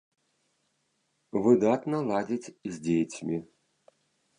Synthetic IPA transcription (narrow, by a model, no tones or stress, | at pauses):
vɨd̪at̪nɐlˠad͡zʲit͡sʲzʲd͡zʲejt͡sʲmʲi